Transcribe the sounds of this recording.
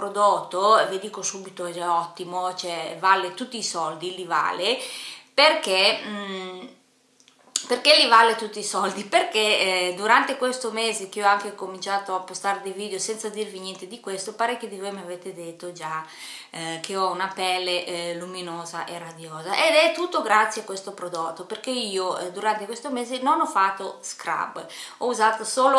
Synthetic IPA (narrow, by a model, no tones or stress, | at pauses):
pɾod̪ot̪ːovid̪iːkosubit̪oɛd͡ʒaɔt̪ːimot͡ʃoɛvalːet̪ut̪ːiːsɔld̪iliva̰ːleperke | perkelivalːet̪ut̪ːiːsɔld̪iperked̪uɾant̪ekwest̪omeːzek̟eɔaŋkekomint͡ʃaːt̪oapːost̪aɾed̪ejviːd̪eosɛnt̪sad̪irviɲjɛnt̪ed̪ikwest̪opaɾɛkːod̪ivojmeaveːt̪ed̪et̪ːod͡ʒa | kʰeɔunapɛlːeʔluminoːzaʔerad̪joːzaʔed̪ɛt̪ːut̪ːoɡɾat̪sjeakwest̪opɾod̪ot̪ːoperk̟eiːod̪uɾant̪ekwest̪omeːzenonɔfat̪ːoskɾa̰bɔuzaːt̪osoːlo